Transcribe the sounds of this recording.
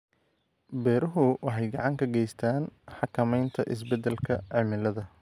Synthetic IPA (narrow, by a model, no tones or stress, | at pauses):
bɛːɾʊɦʊwɑħɑjɡɑʕɑŋkʰɐɡɛjst̪ʰaːnħɑkʰɐmɛjnt̪ʰɐʔɪ̰s̬bɛd̪ɛlkʰɐʕɪmɪlɐðɐ